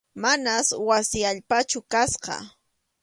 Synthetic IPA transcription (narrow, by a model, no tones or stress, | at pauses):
manaswasɪaʎpat͡ʃʊkasqɑ̰